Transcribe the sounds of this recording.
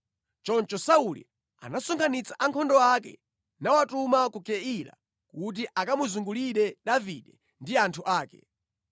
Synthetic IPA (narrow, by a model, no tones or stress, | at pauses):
t͡ʃɔnt͡ʃɔsaulḭ | a̰nasɔŋkʰanit͡sʰḁʔaŋkʰɔndɔakɛ̰ | nawatumakukɛila̰ | kut̬iʔakamuzuŋɡuliɗɛɗaviɗɛ | ndiantʰuʔaːkɛ̰